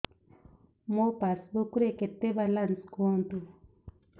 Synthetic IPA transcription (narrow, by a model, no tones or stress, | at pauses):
mopasbokuɾeket̪ebalanskont̪u